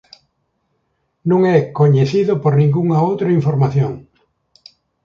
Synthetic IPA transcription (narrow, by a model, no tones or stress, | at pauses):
nõŋɛkoɲeθiðopoɾnĩŋɡuŋaowt̪ɾɐiɱfoɾmaθjõŋ